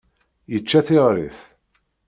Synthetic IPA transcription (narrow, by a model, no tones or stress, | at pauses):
jət͡ʃːæθɪʁɾḭθ